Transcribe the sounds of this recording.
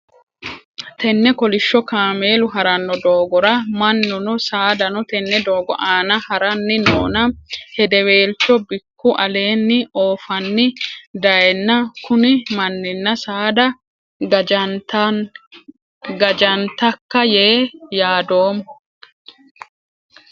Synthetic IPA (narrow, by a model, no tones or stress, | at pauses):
t̪ɛnːɛkɔlɪʃːɔkaːme̞ːlʊɦɐɾɐnːɔd̪oːɡɔɾɐmɐnːɔnɔsaːd̪ɐnɔt̪ɛnːɛd̪oːɡɔ̰ʔaːnɐhɐɾɐnːɪno̰ːnɐhɛd̪ɛwe̞ːlt͡ʃɔbɪkːʊʔɐle̞ːnːɪoːfɐnːɪd̪ɐjɛnːɐkʊnɪmɐnːɪnːɐsaːd̪ɐ | t̪ | ɡɐd͡ʒɐnt̪ɐkːɐjeːjaːd̪o̞ːm